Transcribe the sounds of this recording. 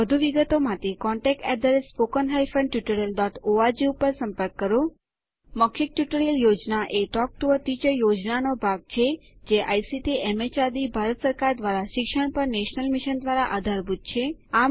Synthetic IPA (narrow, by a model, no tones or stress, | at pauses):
əd̪ʱuʋiɡət̪omãt̪ʰekɔɳʈɛk̚ʈɛd̪əɾesspokənɦajfə̃ɳɖʈjuʈəɾəlɖɔʈoad͡ʒiupəɾsə̃mpəɾkːəɾo | məkʰːik̚ʈjuʈəɾəljod͡ʒnaʔeʈɔk̚ʈuʋət̪it͡ʃəjod͡ʒnanobʱaɡ̚t͡ʃʰed͡ʒeʔa̰jsiʈiɛmet͡ʃad̪ibʱaɾət̪səɾkaɾd̪ʋaɾaʃɪkʃəɳ̃pəɾneʃnəlmiʃənd̪ʋaɾaʔad̪ʱaɾbʱud̪̚t͡ʃʰea